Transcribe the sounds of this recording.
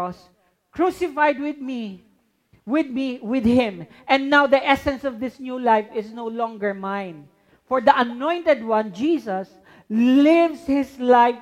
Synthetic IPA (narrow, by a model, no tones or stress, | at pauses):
ɔs | kɹusɪfajd̪̚wɪd̪̚mi | wɪd̪̚miwɪd̪hɪ̃m | ʔɛ̃nd̪nawd̪iʔɛsɛ̃nsɔvd̪ɪsnjulajfɪsnowlɔ̃ŋɡəɹmãjn | fɔɹd̪iʔɐnɔ̃j̃nt̪ɛd̪̚wãnd͡ʒiːsɐs | lɪvshɪslaɪf